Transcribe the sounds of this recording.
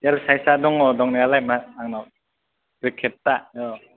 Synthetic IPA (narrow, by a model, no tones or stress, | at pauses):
alsajsadɔŋɔdɔŋnialajmaaŋnɔ | bikʰːɛt̪ːaʔjɔ